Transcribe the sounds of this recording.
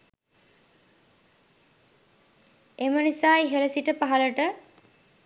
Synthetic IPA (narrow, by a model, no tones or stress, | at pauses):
emənisaːjɦeləsiʈəpaɦaləʈə